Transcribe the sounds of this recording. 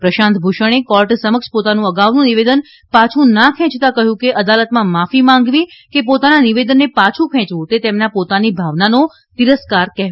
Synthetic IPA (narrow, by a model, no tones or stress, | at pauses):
pɾəʃãnt̪bʱuʃəɽ̃ekɔlʈsəməkʃpot̪anũəɡaʋnũniʋed̪ən | pat͡ʃʰũnakʰɛ̃t͡ʃt̪akəɦjũkeʔəd̪alət̪mãmafimãŋɡʋĩkepot̪ananiʋed̪ənːepat͡ʃʰũkʰɛ̃t͡ʃʋũt̪et̪emnapot̪anibʱaʋnano | t̪iɾəskaɾkɛɦʋ